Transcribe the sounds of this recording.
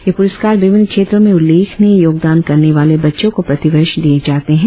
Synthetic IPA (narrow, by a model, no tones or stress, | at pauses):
jepʊɾəskaːɾʋɪʋɪnkʰʃeːt̪ɾõmẽʊlːeːkʰnejoːɡ̚d̪aːnkɐɾneʋaːlebɐtːʃõkopɾɐt̪ɪʋəɪʃd̪ied͡ʒaːt̪eɦɛ̃